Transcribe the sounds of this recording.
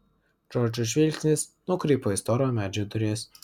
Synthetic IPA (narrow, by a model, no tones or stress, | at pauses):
d͡ʒɔɾd͡ʒʲʊʃ̬ʲʋʲiːlʲkʲsʲnʲɪsnʊkɾʲeːpoːɪst̪ɔɾʲɪomʲæːd͡ʒʲod̪ʊɾʲeɛs